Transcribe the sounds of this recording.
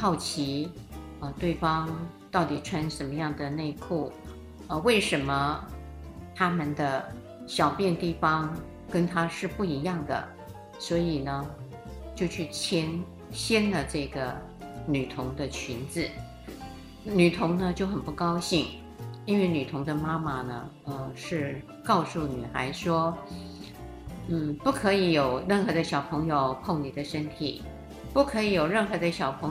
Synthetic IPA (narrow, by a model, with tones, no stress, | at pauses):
xɑ˥˩ʊt͡ɕʰi˧˥ | ə˧t̪we˥˩ɪfɑ˥ŋ | t̪ɑ˥˩ʊt̪i˨˩ʈ͡ʂʰwa˥nʂə˧˥nmə˧˦jɑ˥˩ŋd̪ə˩ne˥˧kʰu˥˩ | ə˧we˥˩ɪʂə˧˥nmə˧ | t̪ʰa˥mə˨nd̪ə˩ | ɕjɑ˨˩ʊpjɛ˥˧nt̪i˥˩fɑ˥ŋ | kə˥nt̪ʰa˥ʂɻ̩˥˧pu˥˩i˧˥jɑ˥˩ŋd̪ə̰˩ | swɔ˧˥i˨˩nə˦ | t͡ɕjo˥˧ʊt͡ɕʰy˥˩t͡ɕʰjɛ˥n | ɕjɛ˥nlə˨ʈ͡ʂɤ˥˩ɡə˩ | ny˨˩t̪ʰʊ˧˥ŋd̪ə˧t͡ɕʰy˧˥nd͡zɹ̩˥˩ | ny˨˩t̪ʰʊ˧˥ŋnə˧t͡ɕjo˥˩ʊxə˨˩npu˥˩kɑ˥ʊɕi˥˩ŋ | i˥nwe˥˩ɪny˨˩t̪ʰʊ˧˥ŋd̪ə˧ma˥ma˨nə̰˩ | ə˧ʂɻ̩˥˩ | kɑ˥˧ʊsu˥˩ny̰˨˩xa̰˧˥ɪʂwɔ˥ | n̩˥˩pu˥˩kʰɤ˧˥i˧˥jo˨˩ʊɻə˥˩nxɤ˧˥d̪ə˧ɕjɑ˨˩ʊpʰɤ˧˥ŋjo˧ʊpʰo˥˩ŋni˨˩d̪ə˦ʂə˥nt̪ʰḭ˨˩˦ | pu˥˩kʰɤ˧˥i˨˧˥jo˨˩ʊɻə˥˩nxɤ˧˥d̪ə˧ɕjɑ˨˩ʊpʰɤ˧˥ŋ